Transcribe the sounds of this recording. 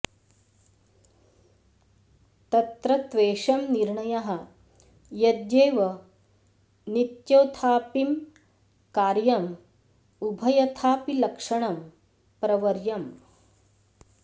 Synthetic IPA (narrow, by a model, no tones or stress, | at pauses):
t̪ɐt̪ɾɐt̪ʋeːʂɐmniɾɳɐjɐɦɐ̆ | jɐd̪jeːʋɐ | nit̪jɐwt̪ʰaːpim | kaːɾjɐm | ubʱɐjɐt̪ʰaːpilɐkʂɐɳɐm | pɾɐʋɐɾjɐm